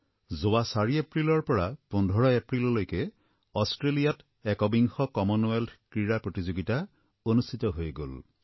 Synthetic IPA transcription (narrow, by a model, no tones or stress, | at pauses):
zowasaɹiepɹilɔɹpɔɹapundʱɔɹɔepɹilɔlojke | ɔstɹelijat | ekɔbiŋxɔkɔmɔnwelkɹiɹapɹotizoɡita | onustʰitɔɦojɡo̰l